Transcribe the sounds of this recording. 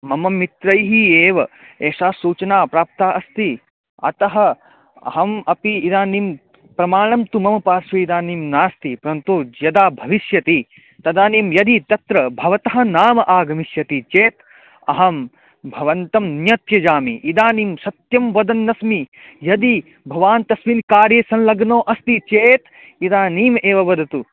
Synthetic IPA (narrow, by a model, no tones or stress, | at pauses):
mɐmɐmːit̪ɾɐjɦieːʋɐ | eːʃaːsuːt͡ʃɐnaːpɾaːp̚t̪aːʔɐst̪i | ɐ̰t̪ɐɦɐ | ɐ̰ɦɐmɐpiːd̪aːnim | pɾɐmaːɳɐmt̪umɐmɐpaːɾʃʋɐid̪aːnimnaːst̪ipɾɐnt̪oːjɐd̪aːbʱɐʋiʃjɐt̪i | t̪ɐd̪aːniːmjɐd̪it̪ɐt̪ɾɐbʱɐʋɐt̪ɐɦɐ̆naːmɐʔaːɡɐmiʃjɐt̪it͡ʃeːt̪ | ɐɦɐm | bʱɐʋɐnt̪ɐmnjɐt̪jɐd͡ʒaːmḭʔid̪aːniːmsɐt̪jɐmʋɐd̪ɐnːɐsmijɐd̪i | bʱɐʋaːnt̪ɐsminkaːɾjeːsɐnlɐɡnoːʔɐst̪it͡ʃeːt̪ | id̪aːniːmeːʋɐʋɐd̪ʱɐt̪u